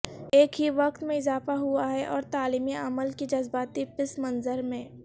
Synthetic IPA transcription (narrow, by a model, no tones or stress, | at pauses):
eːkɦiʋɐqt̪mẽɪzaːfaɦuaɦɛʔɔːɾt̪aːliːmiɐməlkid͡ʒɐzbaːt̪ipɪsmɐ̃nzəɾmẽː